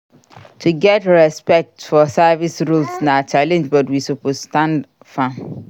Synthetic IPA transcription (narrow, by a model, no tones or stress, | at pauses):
tʰuɡɛtɹɛspɛk̚tfɔsɛvisɹulsnat͡ʃalɛ̃nd͡ʒbɔtwisupozstãnd | fã